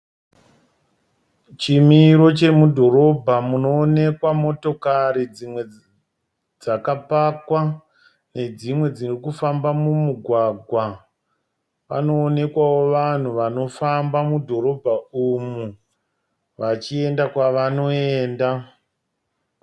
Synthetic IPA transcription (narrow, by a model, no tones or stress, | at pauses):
t͡ʃimiɾo̞t͡ʃe̞mudʱo̞ɾo̞bʱamuno̞ːne̞kwamo̞to̞kaɾid͡zimwe̞ | d͡zakapakwa | ne̞d͡zimwe̞d͡zirikufambamumuɡʱwaɡʱwa | ʋa̰no̞ːne̞kwawo̞ʋan̤uʋano̞fambamudʱo̞ɾo̞bʱaumu | ʋat͡ʃie̞ndakwaʋano̞e̞ːnda